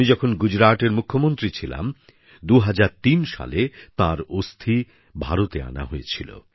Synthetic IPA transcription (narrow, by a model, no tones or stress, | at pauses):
id͡ʑɔkʰonɡud͡ʑɾaʈeɾmukʰːomont̪ɾit͡ɕʰila̰m | d̪uɦad͡ʑaɾt̪inʃa̰let̪aɾost̪ʰi | bʱaɾot̪ea̰na̰ɦoet͡ɕʰilo̰